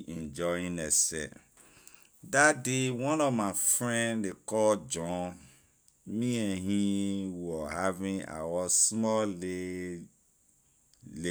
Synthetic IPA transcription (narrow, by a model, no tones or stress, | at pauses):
ɛ̃nd͡ʒɔĩnɛsɛ̰ | dadewɔ̃nɔvmafɹɛ̃ndekɔd͡ʒɔ̃ | mĩɛ̃ɦĩwɔhavĩa̰wɔsmɔle | le